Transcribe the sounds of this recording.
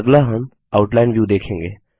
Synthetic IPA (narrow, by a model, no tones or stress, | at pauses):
ɡlaɦən | aʊʈlaɪnʋjuːd̪eːkʰẽːŋɡḛː